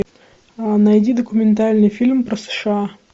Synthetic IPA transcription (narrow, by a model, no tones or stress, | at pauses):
anajdʲid̪əkʊmʲɪnt̪alʲnɨjfʲilʲmpɾəsə̥ʂɨa